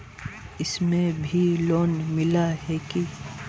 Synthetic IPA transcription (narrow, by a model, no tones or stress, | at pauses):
ɪsmẽbʱiloːnmɪlaɦɛːki